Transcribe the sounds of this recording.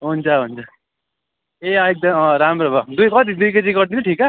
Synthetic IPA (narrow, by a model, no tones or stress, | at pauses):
ɦunt͡sʰʌɦunt͡sʰʌ | eʌek̚d̪ʌʌ̃ɾamɾobʌd̪ujkʌt̪̬id̪ujkʌt͡siɡʌrd̪inuʈʰikaʌ